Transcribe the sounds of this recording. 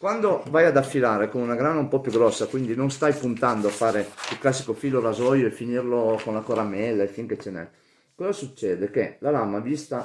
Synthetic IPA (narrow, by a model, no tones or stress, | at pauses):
kwand̪ovajad̪afːilaːɾekonunaɡɾaːnaumpɔpjuɡɾɔsːakwind̪inonst̪ajpunt̪and̪oafaːɾeilklasːikofiːloɾazɔjoefːinirlokonlakoɾamɛlːefiŋket͡ʃːenɛ̰ | kɔzasut͡ʃːɛːd̪ek̟elalamavist̪a